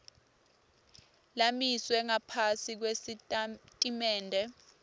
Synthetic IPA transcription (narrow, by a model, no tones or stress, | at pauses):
lamiswɛŋapʰasik̬wesitʼimɛːndʱɛ